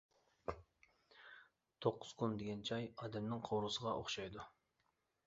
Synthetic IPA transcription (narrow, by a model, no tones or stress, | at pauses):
t̪ʰoqːʊz̥kʰund̪eɡʲɛnt͡ʃʰɑjɑːd̪ɛmnɪŋqʰowɾusəʁɑʔo̰χʃɑjd̪u